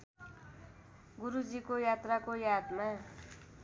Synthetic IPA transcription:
ɡuɾud͡zikojat̪rakojad̪ma

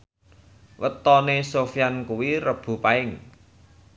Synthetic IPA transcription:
wət̪ɔnesofijankuwirəb̥ṳpaɪŋ

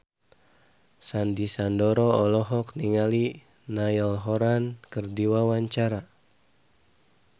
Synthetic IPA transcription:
sandisandɔɾɔɔlɔɦɔkniŋali | naəlɦɔɾankərdiwawaɲt͡ʃaɾa

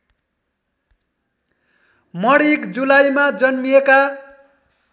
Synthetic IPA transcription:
mʌɽikd͡zulajmad͡zʌnmijeka

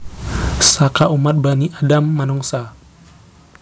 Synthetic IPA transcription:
sakaʔumat̪̚baniʔadamːanɔŋsa

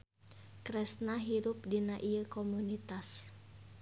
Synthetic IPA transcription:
kɾɛsnaɦiɾʊp̚dinaʔiəkomunit̪as

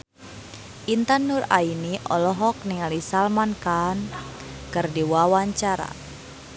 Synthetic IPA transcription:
ʔint̪anːura̰iniʔɔlɔɦɔk̚niŋalisalmankankɨrdiwawaɲt͡ʃaɾa̰

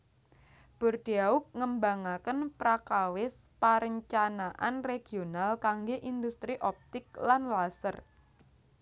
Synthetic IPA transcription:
b̥ʊ̤rd̪̥iaʊk̚ŋəmbaŋakənpɾakawɪspaɾəɲt͡ʃanaʔa̰nreɡ̥ionalkaŋɡeʔind̪ust̪ɾiʔɔp̚t̪ɪk̚lanlasər

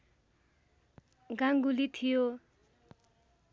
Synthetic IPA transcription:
ɡaŋɡulit̪ʰijo

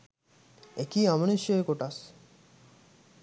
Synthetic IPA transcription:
ekiamoniʃjoekoʈas

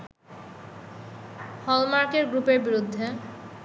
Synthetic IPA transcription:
hɔlmaɾkeɾɡɾupeɾbiɾud̪ʱːe

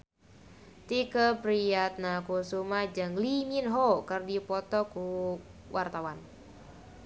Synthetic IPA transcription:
t̪ikəpɾiat̪̚nakusumahd͡ʒɨŋliminɦokərdipɔt̪ɔkuwʔart̪awan

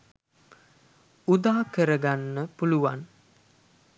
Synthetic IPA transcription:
ud̪aːkəɾəɡanːəpuluʋan

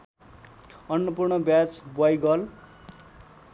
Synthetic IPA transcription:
ʌnːʌpurɳʌbjat͡sbwajɡʌl

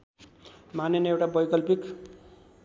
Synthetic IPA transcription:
manenewʈabʌjkʌlpik

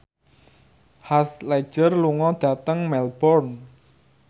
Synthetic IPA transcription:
hasle̥ʒ̥ərluŋɔd̪̥ä̤t̪əŋmɛlb̥ɔrn

